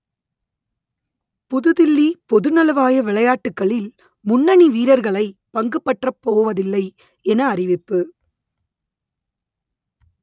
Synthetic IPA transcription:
pʊðɯðɪlːipɔðɯnɐlɐʋaːjɐʋɪɭɐjaːʈːɯkːɐɭɪl | mʊnːɐɳiʋiːɾɐɾɣɐɭɐɪpɐŋɡɯpːɐʈrɐpːoːʋɐðɪlːɐɪ | ɛnɐːrɪʋɪpːɯ

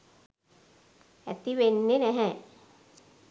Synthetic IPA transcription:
æ̰t̪iʋenːenɛɦɛ̃

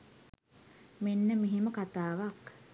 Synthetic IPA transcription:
menːəmiɦiməkat̪aːʋak

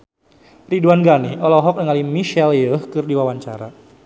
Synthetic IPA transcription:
riduanɡaniʔɔlɔɦɔk̚nəŋalimiʃɛljəhkɨrdiwawaɲt͡ʃa̰ɾa̰

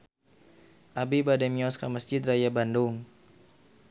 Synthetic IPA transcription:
ʔabibadɛmiɔskaməsd͡ʒɪt̪̚rajabandʊŋ

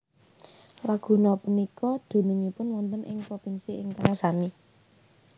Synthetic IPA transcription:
waɡ̥ṳnɔpunikɔd̪̥ṳnuɲipʊnwɔnt̪ənʔɪ̰ŋpɾofinsiɪŋt̪aŋasami

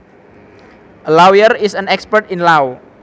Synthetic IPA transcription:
əlawjərisə̃nɛkspərtinlaw

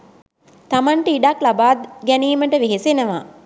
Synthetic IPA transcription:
t̪amaɳʈəiɖaklabaːd̪ɡæniːməʈəʋeɦesenəʋaː

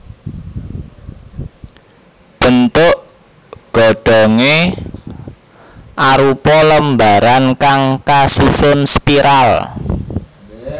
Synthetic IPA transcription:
b̥ə̤nt̪ʊʔ | ɡ̥ɔ̤ɖ̥ɔ̤ŋe | ʔaɾupɔləmbaɾankaŋkasisʊnspiɾʔal

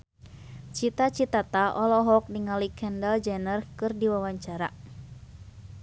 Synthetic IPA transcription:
t͡ʃit̪at͡ʃit̪at̪aʔɔlɔɦɔk̚diŋalikʰɛndald͡ʒɛnərkɨrdiwawaɲt͡ʃaɾa̰

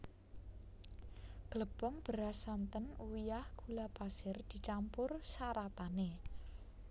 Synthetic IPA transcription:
ɡ̥ləb̥ɔŋb̥əɾasant̪ənuwijahkulapasɪrd̪̥i̤t͡ʃampʊrsaɾat̪ane

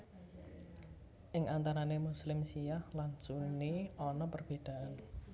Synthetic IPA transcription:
ʔɪŋʔant̪aɾanemuslɪmsijahlaɲt͡ʃuniɔnɔpərb̥e̤d̪̥ä̤ʔan

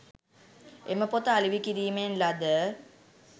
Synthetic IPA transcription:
eməpot̪əaliʋikiɾiːmenlad̪ə

